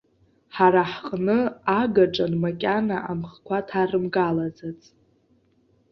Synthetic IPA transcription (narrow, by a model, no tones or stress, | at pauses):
ħaɾaħqʼnɨaɡaʈ͡ʂʼanmakʲʼanaʔamχkʷʰatʰarɨmɡalad͡zat͡sʼ